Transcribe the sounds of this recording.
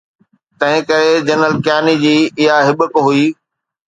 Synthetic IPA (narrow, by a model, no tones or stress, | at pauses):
t̪ɐ̃ɦɪ̃kɐɾed͡ʑɐnəlkjaːnid͡ʑiːɪɦaɦɪɓəkɦuiː